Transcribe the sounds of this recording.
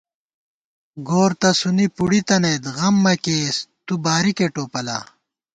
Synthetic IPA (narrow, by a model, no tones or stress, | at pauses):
ɡoːɾt̪ɐsunipuɽit̪ɐnejd̪ɣɐmːɐkeːst̪ubaːɾikeʈoːpɐla̰ː